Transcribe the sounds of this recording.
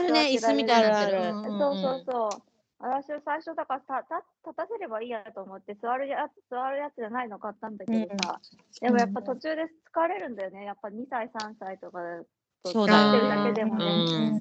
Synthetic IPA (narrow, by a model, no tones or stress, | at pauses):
aɾɯneisd̪aɨmʲid̪aaɾso̞ːso̞ːso̞ː | βat̪aɕiasaiɕo̞d̪akaɾt̪at̪at̪ːat̪ase̞ɾe̞baiːat̪o̞ːmo̞t̪ːe̞sɨβaɾɯ̟jḁsɨβaɾɯ̟jat͡sɨʑanaino̞kat̪ːãnd̪aked̪osa | d̪e̞mo̞japːat̪o̞t͡ɕɨːd̪e̞t͡sɨ̥kaβɾe̞ɾɯ̟̃nd̪ajo̞ne̞japːaɲ̟isaisãɰ̃sait̪o̞kḁ | t̪ooaɾt̪eɾɯd̪ake̞d̪e̞mo̞ne̞